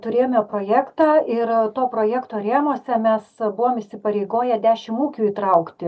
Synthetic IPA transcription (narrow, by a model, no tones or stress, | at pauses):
t̪ʊɾʲeːjmʲoːpɾoːjæːkt̪ɑːɪɾt̪oːpɾoːjæːkt̪oːɾʲeːmoːsʲɛmʲɛsbʊʋoːmɪʃʲsʲɪpɐɾʲɛɪɡoːjɛd̪ʲæːʃʲɪmuːkʲuːiːt̪ɾɐʊkt̪ʲɪ